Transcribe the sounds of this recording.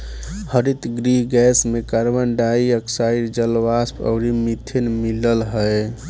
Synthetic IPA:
həɾit̪ɡɾiɡɛsmekəɾbənɖaiəksaiɾd͡ʒəlʋaspə̰ʊɾimit̪ʰenmiləlɦəe

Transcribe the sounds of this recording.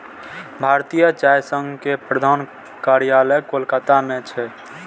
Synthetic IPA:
bʱaɾt̪ijət͡ʃajsəŋɡʱkepɾəd̪ʱan | kaɾijaləjkolkat̪amẽt͡ʃʰɛ

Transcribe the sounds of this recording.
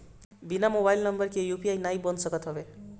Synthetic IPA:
binamobajlnʌmbʌrkejupiajnajbʌnsʌkʌt̪ʰʌbe

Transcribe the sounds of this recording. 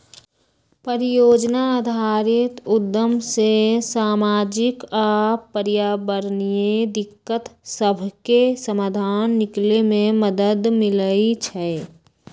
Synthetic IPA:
pəɾɪjoːd͡ʒnaad̪ʱaːɾɪt̪ʊd̪ːəmsesaːmaːd͡ʒɪkapəɾjaːbəɾnijed̪ɪkːət̪səbʱkesəmaːd̪ʱaːnːɪklemẽməd̪əd̪mɪləit͡ʃʰɛ

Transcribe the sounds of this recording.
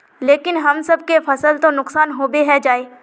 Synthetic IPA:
leːkɪnɦɐmsɐbkefɐsəlt̪onʊqsaːnɦoːbeɦɛd͡ʒaːeː

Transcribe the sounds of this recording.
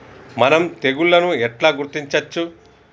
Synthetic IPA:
mɐnɐmt̪e̞ɡuɭːɐnuɛʈlaːɡuɾt̪iɲt͡ʃɐt͡ʃːu

